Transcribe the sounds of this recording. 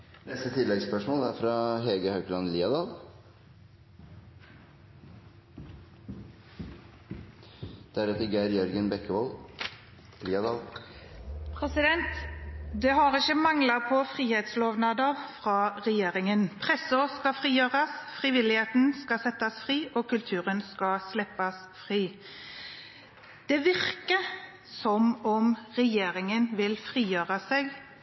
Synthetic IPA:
nɛst̪ət̪ʰɪlːɛɡspœʂmoːlæɾfɾɑɦeːɡəhɑʉklɑnliːɑd̪ɑːl | d̪̥æɾɛt̪əɾɡæɪɾjœɾɡənbɛkːəʋɔl | liːɑd̪ɑːl | pʰʁɛsɪd̪ɛnt̪d̪ɛːhɑʁɪçəmɑŋlɑpʰɔfʁiːheːt̪sloːʋnɑd̪əʁfʁɑːʁɛjeːʁɪŋənpʰʁɛsɔskɑfʁiːjøːʁɑsfʁiʋɪlɪheːt̪n̩skɑsɛt̪ːɑsfʁiːʔoːkʉlt̪ʰʉːʁənskɑslɛpːɑs | fʁiː | d̪̥ɛʋɪʁkə | sɔmɔmʁɛjeːʁɪŋənʋɪlfʁiːjøːʁɑseːɡ

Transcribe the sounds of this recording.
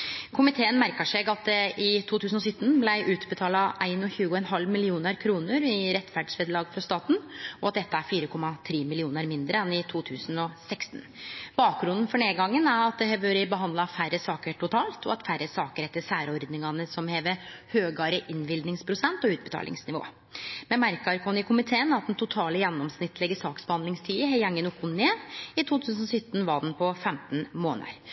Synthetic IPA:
kʰʊmɪt̪ʰeːənmæɾkəʂɛɡɑt̪̚d̪ɛʔɪt̪ʰuːt̪ʰʉːsn̩ɔsʏt̪ːn̩blæɪʔʉːt̪bət̪ʰɑːlɑʔæɪnɔçʉːɡʊɛnɦɑlmɪlɪuːnəɾkʰɾuːnəɾɪɾɛt̪ːfæɖsʋeːd̪əlɑːɡfɔst̪ɑːt̪n̩ɔɑt̪̚d̪ɛt̪ːəæɾfiːɾəkʰɔmːɑt̪ʰɾeːmɪlɪuːnəɾmɪnd̪ɾəɛnɪt̪ʰuːt̪ʰʉːsənɔsɛkst̪nb̥ɑːk̚ɾʉnd̪nfɔɳeːɡɑŋːənæɾɑt̪̚d̪ɛhɛʋəɾəbəɦɑnd̪lɑfærəsɑːkəɾʈʰʊt̪ʰɑːlt̪ʰɔ̰ɑt̪fæɾːəsɑːkəɾɛt̪ːəsæːɾɔɾd̪nɪŋɑnəsɔmheːʋəɾhøːɡɑɾəʔɪnʋɪld̪nɪŋspʰɾʊsɛnt̪ɔʉːt̪bət̪ʰɑ̰ːlʔɪ̰ŋsnɪʋo̰ː | mɛmæɾkɑɾkʰɑnɪkʰʊmɪt̪ʰeːənɑt̪̚d̪ɛnt̪ʰʊt̪ʰɑːləjɛnːɔmsnɪt̪ːlɛɡəsɑːksbəhɑnd̪lɪŋst̪ʰyːəɦɛjɛŋːənʊkːʊneːɪt̪ʰuːt̪ʰʉːsn̩ɔsʏt̪ːn̩ʋɑːd̪ɛnpʰɔfɛmt̪n̩moːnɑ̰ɾ

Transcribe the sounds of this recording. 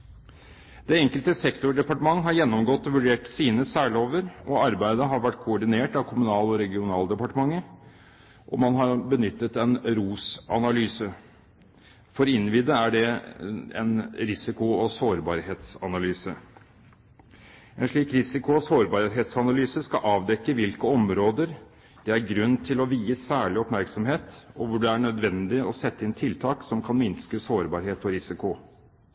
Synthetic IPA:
d̪̥ɛɛŋkəlt̪əsɛkt̪ʊɖɛpɑʈəmɑŋːɦɑɾjɛnːɔmɡɔt̪ːɔʋʉɖeːʈsiːnəsæːɭɪoːʋəɾɔɑɾbæɪd̪əɦɑɾʋæʈ̚ːkʰʊɔɖɪneːʈɑʋkʰʊmʉnɑːlɔɾɛɡɪʊnɑːld̪ɛpɑʈəmɑŋːə | ʔɔ̰mɑnɦɑɾbənʏt̪ːət̪ɛnɾuːsɑ̰nɑlyːsə | fɔɾɪnːʋiːd̪əæɖɛ | ɛ̰nɾɪsɪkʊɔsoːɾbɑɾheːt̪sɑnɑlyːsə | ɛnʂɭiːkɾɪsɪkʊɔsoːɾbɑɾɦeːt̪sɑnɑlyːsəskɑʔɑːʋd̪ɛkːəʋɪlkəɔmɾoːd̪əɾ | d̪̥ɛæɾɡɾʉnːt̪ʰɪlɔʋiːəsæːɭɪɔpmæɾksɔmɦeːt̪ɔʋʊɖɛæɳœd̪ʋɛnd̪ɪɔsɛt̪ːəɪnt̪ʰɪlt̪ʰɑːksɔmkʰɑnmɪnskəsoːɾbɑɾɦeːt̪ɔɾɪsɪkʊ

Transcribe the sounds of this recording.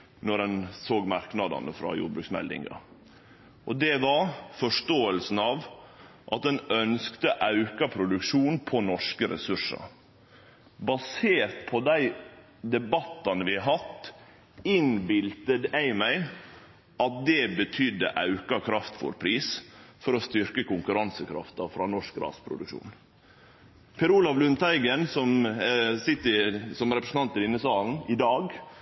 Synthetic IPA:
nɔɾɛnsoːɡmɑɾknɑd̪ɑ̰nəfɾɑ̰jṵːɖbɾʉːksmɛ̰lɪ̰ŋɡɑ̰ | ʔɔd̪ɛʋɑɾfɔʂʈoːəlsn̩ɑːʋ | ʔɑt̪̚d̪ɛnœnskt̪əʔɑʉkɑpʰɾʊd̪ʉkʂuːnpʰɔnɔʂkəɾɛ̰sʉʂə̰ | bɑseːɾt̪pʰɔd̪æɪ | d̪ɛbɑt̪ːɑnəʋɪɦɑt̪ː | ɪnbɪlt̪əd̪æɪmæɪ | ʔɑt̪̚d̪ɛbət̪ʰʏd̪ːə̰ʔɑ̰ʉkɑkʰɾɑft̪fɔ̰ɾpʰɾiːsfɔɾɔst̪ʏɾkəkʊŋkʉɾɑnsəkʰɾɑ̰ft̪ɑfɾɑnɔʂkɾɑ̰ːspʰɾʊ̰d̪ʉ̰kʃṵːn | pʰɛɾuːlɑʋlʉnt̪æɪɡənsɔmsɪt̪ːəsɔmɾɛpɾəsn̩ɑnt̪ːəlɪnːəsɑːln̩ɪd̪ɑːɡ

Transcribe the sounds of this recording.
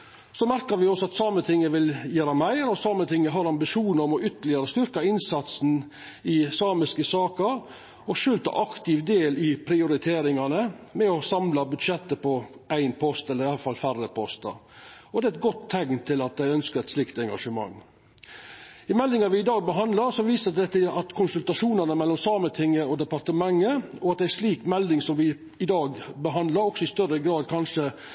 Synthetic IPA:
sɔmæɾkəɾʋɪɔsɔɑt̪sɑmət̪ʰɪŋːəʋɪljæːɾɑmæɪɾɔsɑmət̪ʰɪŋːəɦɑɾɑmbɪʂuːnəɔmɔʏt̪əlɪəɾəst̪ʏɾkɑɪnsɑt̪sn̩ | ɪsɑːmɪskəsɑːkəɾ | ɔʂʉːlt̪ʰɑ̰ʔɑkt̪ɪʋd̪eːlɪpʰɾɪʊɾɪt̪ʰeːɾɪŋɑnəmɛɔsɑmlɑbʉd̪ʂɛt̪ːəpɔæɪnpʰɔst̪ɛlːəɾɪɑlfɑlfæɾəpʰɔst̪ɑ̰ɔd̪ɛːɛt̪̚ɡɔt̪ʰːɛŋnt̪ʰɪlɑt̪̚d̪æɪœnskəɾɛt̪slɪkt̪ɛŋɡɑʂəmɑ̰ŋː | ɪmɛld̪ɪŋɑʋɪɪd̪ɑːɡ̚bəɦɑnd̪lɑɾsɔʋiːsəd̪ɛt̪ːəɑt̪kʰʊnsʉlt̪ɑʂuːnɑnəmɛlːɔmsɑːmət̪ʰɪŋːəɔd̪ɛpɑɾt̪əmɑŋːəɔɑt̪̚d̪ɛæʂliːkmɛld̪ɪŋsɔmʋɪ | ɪd̪ɑːɡbəɦɑnd̪lɑɾɔksɔɪst̪œrəɡɾɑːd̪kʰɑnʂə

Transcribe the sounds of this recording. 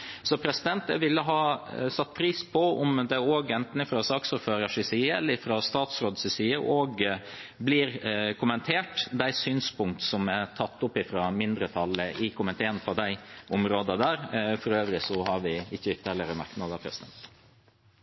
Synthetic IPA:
sɔpʰɾɛsɪd̪ɛnt̪ɛʋɪlːəɦɑːsɑt̪ːpʰɾiːspʰɔɔmd̪ɛoːɡɛnt̪n̩ɪfɾɑsɑːksʊːɾføːɾɑʂɪsiːəɛ̰lːəɾɪfɾɑst̪ɑːt̪sɾoːd̪sɪsiːəʔoːɡbliɾkʰʊmənt̪ʰeːʈd̪æɪsyːnspʰʊŋkt̪sɔmæɾt̪ʰɑt̪ːʊpːɪfɾɑmɪnd̪ɾət̪ʰɑlːəʔɪkʰʊmənt̪ʰeːənpʰɔd̪æɪʔʊmɾoːd̪əd̪æːɾfɔɾøːʋɾɪsɔhɑɾʋɪɪçːəʏt̪ːəɛlːəɾəmæ̰ɾknɑd̪ɑpʰɾɛsɪd̪ɛ̰nt̪

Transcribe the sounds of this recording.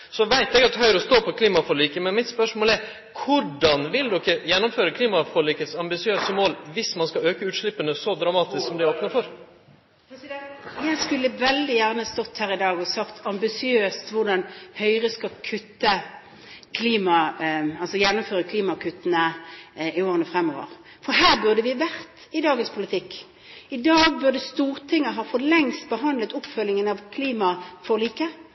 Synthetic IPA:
sɔʋæɪt̪ɛɡɑt̪hœʏɾɔst̪oːpʰɔkʰliːmɑfɔɭiːkəmɛnmɪt̪spœʂmoːlɛɾ | kʰʊɖɑnʋɪld̪ɔkːəjɛnːɔmføːɾəkʰliːmɑfɔɭiːkət̪sɑmbɪsɪøːsəmoːlʋɪsmɑnskɑøːkəʉːt̪ʂɭɪpːənəsɔd̪ɾɑmɑːt̪ɪsksɔmd̪ɪoːpnəɾfɔɾ | jæɪskʉlːəʋɛld̪ɪjæʁnəhɑst̪ɔt̪ːhæːʁɪd̪ɑːɡɔsɑkt̪ʰɑmbɪsɪøːst̪ʋʊʁɖɑnhœʏʁəskɑkʰʉt̪ːə | kʰliːmɑɑlsɔjɛnːʊmføːʁəkʰliːmɑkʰʉt̪ːənəɪoːʁənəfʁɛmːo̰ːʋə̰ʁ | fɔɦæːʁbʉʁd̪əʋɪʋæʁt̪ | ɪd̪ɑːɡənspʰʊlɪt̪ʰɪkː | ɪd̪ɑːɡ̚bʉʁd̪əst̪uːʁt̪ʰɪŋːəɦɑːfɔʁlɛŋst̪bəɦɑnd̪lət̪ʊpfœljɪŋənɑʋkʰliːmɑfɔliːkə

